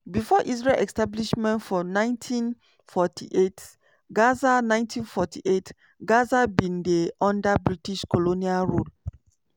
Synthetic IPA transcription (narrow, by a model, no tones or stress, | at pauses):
bifɔʔis̬ɹelʔɛ̰kstabliʃmɛ̃ntfɔnãɪ̃ntʰĩn | fɔtʰḭʔet | ɡazanãɪ̃ntʰĩnfɔtʰḭʔet | ɡazabĩndeʔɔ̃ndabɹitiʃkolonialɹol